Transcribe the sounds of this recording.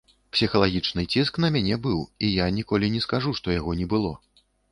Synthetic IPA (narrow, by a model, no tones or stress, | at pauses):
psʲixɐlˠaɣʲit͡ʂnɨt͡sʲisknɐmʲanʲɛbɨwijanʲikɔlʲinʲɛskaʐuʂt̪ɔjaɣɔnʲɛbɨlˠɔ̰